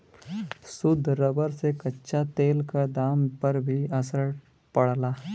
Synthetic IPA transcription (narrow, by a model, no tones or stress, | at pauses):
sʊd̪ʱːɾəbəɾsekɐtːʃʰat̪eːlkad̪aːmpɐɾbʱiɐsəɾ | pɐɽlaː